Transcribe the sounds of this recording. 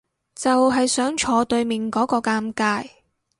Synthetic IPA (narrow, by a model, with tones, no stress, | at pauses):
t͡sɐ˨wɦɐ˨jsœː˨˥ŋt͡ʃʰɔː˨˧t̪ɵ˧ɥmi˨ŋkɔː˨˥kɔː˧kaː˧mkaː˧j